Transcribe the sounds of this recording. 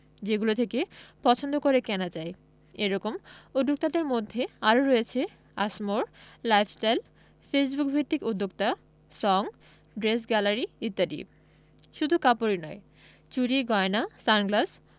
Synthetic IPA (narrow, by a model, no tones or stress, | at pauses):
d͡ʑeɡulot̪ʰekepɔt͡ɕʰond̪ʱokoɾekɛnad͡ʑae | eɾɔkomud̪ːok̚t̪ad̪eɾmod̪ʱːeaɾoɾɔet͡ɕʰe | a̰ʃmoɾlajfʰsʈajl | fes̬bukbʱit̪ːikud̪ʱːok̚t̪a | sɔŋ | ɖɾes̬ɡɛlaɾiit̪ːaɖḭ | ʃud̪ʱukapoɾinɔe | t͡ɕuɾiɡɔenasanɡlas